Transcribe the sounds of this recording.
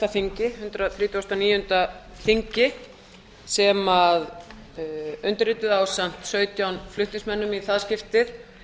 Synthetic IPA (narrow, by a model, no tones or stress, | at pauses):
aθiɲcɪhʏnt̪ɾaθɾiːt̪owst̪awniːjʏnt̪a | θiɲcɪ | sɛmað | ʏnt̪ɪɾɪt̪ʏðawsam̥t̪sœːɥt̪jawnflʏht̪ɪsmɛnːʏmiθaðscɪft̪ɪθ